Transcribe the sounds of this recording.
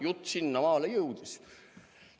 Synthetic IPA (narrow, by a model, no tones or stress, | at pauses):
jut̪ːsinːɑmɑːlejɤwd̪̥is